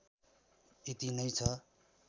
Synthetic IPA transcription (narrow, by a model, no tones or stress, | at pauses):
it̪inʌjt͡sʰʌ